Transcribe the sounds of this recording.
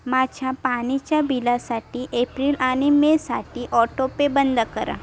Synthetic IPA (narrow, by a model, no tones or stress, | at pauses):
mat͡ʃʰapaːnit͡ʃabilasaːʈiʔeːpɾilaːnimẽsaːʈiʔɔːʈopebə̃nd̪kəɾa̰